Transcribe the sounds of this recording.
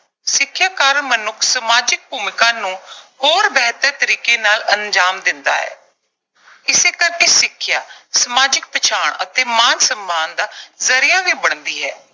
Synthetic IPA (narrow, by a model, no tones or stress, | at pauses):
sɪkʰːjaːkaːɾəɳmənʊkʰsəmaːd͡ʒɪk̚bʱuːmɪkãːnũːhoːɾbɛːt̪ət̪əɾiːkeːnaːləɲd͡ʒaːmd̪ɪnd̪a̰ːɦɛ̰ː | ɪseːkəɾkeːsɪkʰːjaːsəmaːd͡ʒɪk̚pət͡ʃʰaːɳət̪eːmaːnsəmbaːnd̪aːzəɾɪjaːʋiːbəɳ̃d̪iːɦɛː